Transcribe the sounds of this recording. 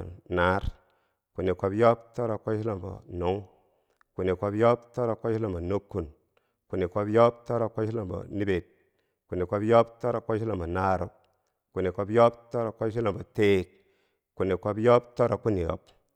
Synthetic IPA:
na˦ɾ | ku˨ni˨ko˨bjo˦pto˦ɾo˨ko˦ʃi˦lo˨mbo̰˨nu˨˦ŋ | ku˨ni˨ko˧bjo˦p̚to˦ɾo˨ko˦i˦la˨mbo˨no˦kːu˨n | ku˨ni˨ko˧bjo˦p̚to˦ɾo˨ko˦ʃi˦lo˨mbo̰˨ni˦be˨t̚ | ku˨ni˨ko˧bjo˦p̚to˦ɾo˨ko˦ʃi˦la˨mbo˨na˦ɾo̰˨ | ku˨ni˨ko˨bjo˦p̚to˦ɾo˨ko˦ʃi˦la˨bo˨teː˦˨t̚ | ku˨ni˨ko˨bjo˦p̚to˦ɾo˨ku˦ni˨o̰˨˦p

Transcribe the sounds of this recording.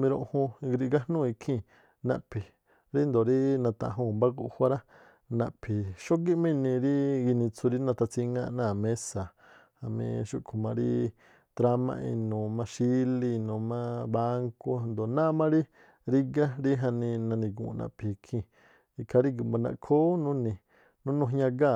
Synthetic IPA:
mĩ˧ɾõ˧ʔhũ˧ɡɾi˧ɡa˦nũ˦˧i˧kʰĩ˧˨ | nã̰˧˨pʰi˨ | ɾi˦nd̪o˨ɾi˦nã˧t̪ã̰˧˨ũ˧˨mba˦ɡu˧ʔhʷwʷa˦ɾa˦ | nã̰˧ʔpʰi˨ʃo˦ɡi˦mĩ˦˧nĩ˧ɾi˦ɡi˧nĩ˧t͡su˧ɾi˦nã˧t̪a˧t͡si˧ŋã˦˧nãː˦˨mẽ˦sa˨ | ha˨mḭ̃˧ʃu˦ʔkʰo˨mã˧ɾi˦ | t̪ɾa˧mã̰˧ʔḭ˧nũ˨mã˧ʃi˦li˧nũː˨mã˦ba˦ŋko˧nd̪o˨nã˦˧mã˦ɾi˦ | ɾi˧ɡa˦ɾi˦ɦa˧nĩ˧nã˧nĩ˧ɡṵ̃˨˧nã̰˨pʰi˨kʰĩ˧˨ | i˧kʰa˧ɾi˦ɡu˨mba˧nã̰˧˨kʰo˦nũ˦nĩ˧ | nũ˦nũ˧ɦɲã˧ɡa˦˨

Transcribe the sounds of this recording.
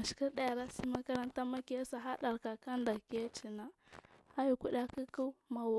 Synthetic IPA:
a˨ʃki˦ɗa˦ja˨ɾa˦si˦ma˦ka˦ɾa˦nta˦ma˦ki˦a˦sa˨ɦa˦ɗa˨ɾka˨ka˦nda˨ke˦a˦t͡ʃi˨na˨ | ha˦ju˨ku˦ɗa˦ki˦ku˦ma˨w

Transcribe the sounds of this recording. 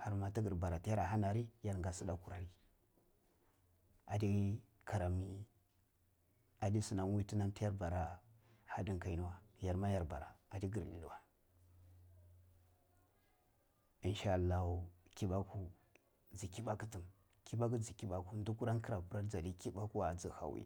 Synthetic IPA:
ha˨ɾma˨ti˦ɡə˨ɾba˨ɾa˨ti˦ja˦ɾa˨ɦa˦na˨ɾi˦ja˦ɾŋɡa˨si˦da˦ku˨ɾa˨ɾi˦ | a˨di˦ | ka˨ɾa˨mi˦ | a˨di˦su˨na˨nwi˦ti˦na˦mti˦ja˦ɾba˨ɾa˦ha˦di˦ŋka˨i˦nu˦wa˦ja˨ɾma˦ja˨ɾba̰˨ɾa̰˨a˨di˦ɡi˨ɾlḭ˨du˨wa˦ | i˨nʃa˦a˨lːa˦hu˨ki˦ba˦ku˦ | d͡zi˨ki˦ba˦ku˦ti˨m | ki˦ba˦ku˦d͡zi˨ki˦ba˦ku˦n˦du˦ku˦ɾa˦nki˦ɾa˨pu˦ɾa˦ɾd͡za˨di˦ki˦ba˦ku˦a˨d͡zi˨ha̰˨wḭ˦

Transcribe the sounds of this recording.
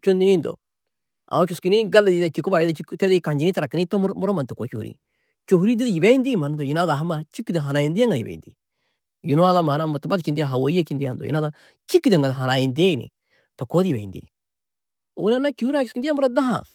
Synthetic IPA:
t͡ʃo˦ndi˦ni˦nd̪ɔ̰˨ | a̰˨˦t͡ʃu˨ski˨ni˦ɡa˦lːa˨di˦da˦t͡ʃi˨kʊ˦ba˨ji˦da˦t͡ʃiktɛ˦di˦ka˨ɲd͡ʒi˦ni˦taɾa˨kːɪni˦tɔ˦m˦mʊɾɔ˦ma˨nt̪ɛ˨ko˨t͡ʃu˨hṵ˨ɾḭ˨ | t͡ʃo˨ɦu˦ɾi˦di˦dji˨be˦ji˦ndi˦ma˨nnd̪ɔ˨ji˨naː˦ða˨ɦma˨t͡ʃi˦kːid̪ɛ˨ɦa˨na˨ji˨ndi˦a˦ŋɡa˨ḭ˨bḛ˨ḭnd̪ḭ˨ | ju˨n˦aː˦ða˦ma˨˦na˦ma˨tba˦kind̪ia˦ɦa˨wo˨i˦a˦ki˦nd̪i˦ja˨nd̪ɔ̰jḭna˦ða | t͡ʃi˦kːi˦d̪ɛ˨ŋɡa˨dɦa˨na˨ji˨nde˦˨nḭ˨ | tɔ˨ko˦di˨be˨ḭ˨nd̪ḭ˨ | o̰˨na˦nːa˦ku˦hu˦ɾa˦t͡ʃu˨skind̪i˦a˦mʊ˦ɾa˦da˦ɦa̰˨

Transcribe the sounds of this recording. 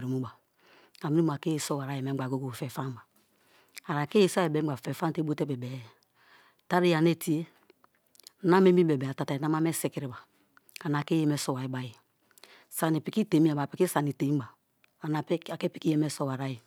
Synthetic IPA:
ɾi˨mu˦ba˨ | a˨mi˦ɾi˦m˨a˨ke˦je˨so˦wa˨ɾa˦je˨me˨˦ɡ͡ba˨ɡo˦ɡo˨fe˨fa˦m˦ba˨ | a˨ɾa˨ke˦e˦˨se˨be˨˦ɡ͡ba˨fe˨fa˦n˦te˦bo˦te˦be˨bɛ˨˦ | ta˦ɾi˦ja˨ne˦ti˦e˦ | na˦me˦mi˦be˨bɛ˨a˨ta˨ta˨i˨na˦ma˦me˦se˦ke˨ɾi˨ba˨ | a˨na˨ke˦je˦me˦so˦wa˨i˦ba˦ji˨ | sa˨ni˨pi˨ki˦te˨˦mi˦a˨ba˨pi˨˦ki˦sa˨ni˨te˨˦baː˨ | na˨˦a˨ke˦pi˦ki˦je˦me˦so˦wa˨ɾa˦je˨

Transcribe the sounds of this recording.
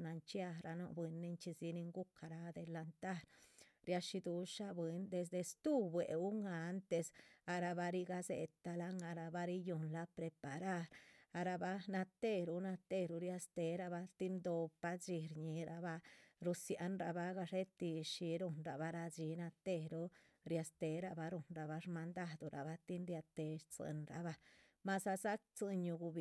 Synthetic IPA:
na˧nt͡ʃja˧ɾa˧no̰˧ʔbe˧nːi˧nt͡ʃi˧si˧ni˧ŋɡu˦ka˨ɾa˧d̪e˧la˧nt̪a˦˧ɾɾja˧ʃi˧d̪u˧˦ʂa˦˧bwi˧nd̪e˧s̬d̪e˧st̪u˦bwḛ˨u˦ŋa˧˦nt̪e˧sa˧ɾa˧ba˧ɾi˧ɡa˧zḛ˧t̪a˧la˦ŋa˧ɾa˧ba˧ɾi˦ju˧nla˧pɾe˧pa˨ɾa˦ɾa˧ɾa˧ba˧na˧t̪e˦ɾu˧na˧t̪e˦ɾu˧ɾja˧st̪e˧ɾa˧ba˧t̪i˦nd̪o˧pa˦d͡ʒi˧ɾɲi˧ɾa˧ba˧ɾu˧sja˧nɾa˧ba˧ɡa˧ʂe˦t̪i˧ʃi˧ɾu˧nɾa˨ba˧ɾa˧d͡ʒi˧˦na˧t̪e˦ɾu˦ | ɾja˧st̪e˧ɾa˧ba˧ɾu˨nɾa˧ba˧ʂma˧nd̪a˦d̪u˧ɾa̰˨ba˧t̪i˦nɾja˧t̪e˧t͡sɨ̰˧nɾa̰˨ba˧ | ma˧sa˧sa˦k̚t͡sɨ˧ɲu˧ɡu˧bi˨

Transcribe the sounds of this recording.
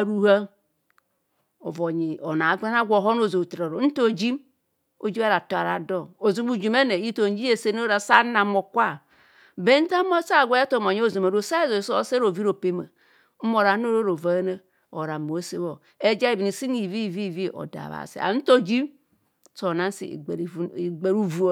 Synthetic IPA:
a˨ɾu˦ha˦ | o̰˨vo˨ɲi˨o˨na˨˦ɡʷe˦na˦ɡʷo˨ɦo˦n˦o˦˨zo˨tɾa˨ɾo˨n̩˦to˦˨d͡ʒi˦m | o˨d͡ʒi˦a˦ɾa˨to˨a̰˨ɾa̰˨do˦˨o˨zu˦m˦u˨d͡ʒi˨me˦ne˨i˦to˨n˦d͡ʒi˦e˨se˦n˦o˦ɾa˨sa˦na˨mo˨kʷa˦ | be˦n̩˦ta˦mo˦sa˦˨ɡʷo˨˦a˦to˦˨m˨o˨ɲi˦o˦˨zo˨ma˨ɾo˨sa˦zo˨so˦˨se˦o˨vi˦ɾo˨pe˦ma˨ | m̩˦mo˨ɾa˨˦n˦o˦ɾo˦ɾo˨va˨e˦na˦ | o˨ɾa˨mo˨˦se˦βo˨ | e˦d͡ʒa˦i˨bi˨ni˨si˦ŋi˨vi˦˨vi˦˨vi˦˨ʔo̰˨da̰˨βa̰˨sḭ˦˨a̰˨n̩˦to˦d͡ʒi˦m | so˨na˦n˦sḭ˨ɾi˨˦i˨ɡ͡be˨ɾu˦vu˨˦o˦

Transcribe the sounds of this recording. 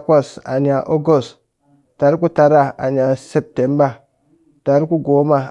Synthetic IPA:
kʷa˦˨sa˨ɲ˨a˨ʔo˦ɡo˦˨st | ta˨ɾi˦ku˦ta˨ɾa˦a˨ɲ˨a˨se˦p̚te˨˦mba˦˨ | ta˨˦ɾi˦ku˦ɡo˨˦ma˨

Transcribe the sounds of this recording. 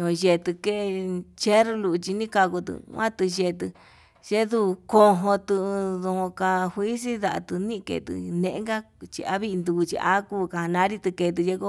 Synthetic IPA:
õ˧˨ʒe˧t̪ɨ˧ke˦˧t͡ʃe˦ɾu˧lu˧t͡ʃi˧nĩ˦ka˧ko˧t̪ɨ̰˧ã˦t̪ɨ˧ʒe˧t̪̬ɨ˧ | ʒe˦ðu˧ko˧ɦõ˧t̪ɨ˧ðõ˧õ˧ka˧hwʷi˦s̬i˦ða˧ʔa˧t̪ɨ˧nĩ˦˧kḛ˧˨t̪ɨ̰˧nẽ˧ʔḛ̃˦ŋɡa˦ | t͡ʃḭ˧a̰˦βi˦˧nd̪u˧u˧t͡ʃḭ˧ʔa̰˦ku˦˧ka˧a˧nã˧˦ɾi˦t̪ɨ˧ke˧t̪̬ɨ˧je˦ko˦

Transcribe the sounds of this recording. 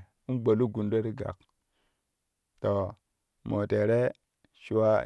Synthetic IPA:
u˦nɡ͡bo˨lu˦ɡu˨ndo˦ɾi˦ɡa̰˨k̚ | to˨ | mo˨te˨ɾe˦ | ʃu˦wa˦

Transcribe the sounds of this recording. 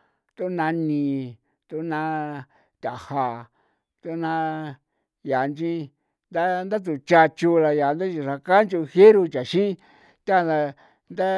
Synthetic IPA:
t̪u˦nã˧nĩː˧ | t̪u˦nã˧ | t̪ʲa˨ha˧˨ | t̪u˦nã˧ | ja˨nd͡ʒĩ˧ | nd̪a˦nd̪a˦t̪̬u˨t͡ʃa˧t͡ʃu˧la˧ja˨˧nd̪a˦t͡ʃi˧ʂa˧ka˦nt͡ʃu˧he˦ɾu˧t͡ʃa˨ʃĩ˦ | t̪ʲa˦˧a˧ | nd̪a˦

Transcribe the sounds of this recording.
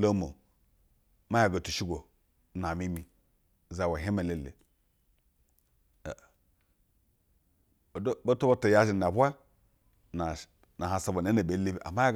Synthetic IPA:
lo˦mo̰˨ | ma˦ja˨ɡo˨tu˨ʃi˦ɡʷo˨˦ | na˨mi˦mi˨ | za˨wa˨ɦe˦me˨le˨lḛ˨ | dbo˦to˦bo˦to˨ja˦ʒi˨na˨ba˦ | na˨ | na˨ɦa˨sa˨bo˨ne˦ne˨be˨˦le˦be˨a̰˨ma˦a˦ɡ

